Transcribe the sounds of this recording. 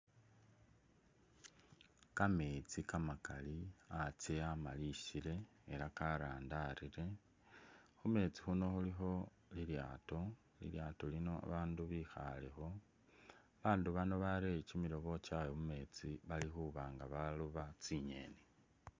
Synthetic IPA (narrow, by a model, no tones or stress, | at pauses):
kamet͡sikamakaliat͡seamaliʃiɾe̞ː | ɾakaɾaːndaɾiɾe̞ | xume̞t͡sixuno̞xuliɦo̞ | lilja̰ːto̞ | lḭljaːtolino̞a̰βaːnduβixa̰le̞xo̞ | aβaːnduβanoβaɾecimiɾo̞βo̞t͡ʃajomume̞t͡siβalixuβaːŋɡaβaluβat͡siɲe̞̰ne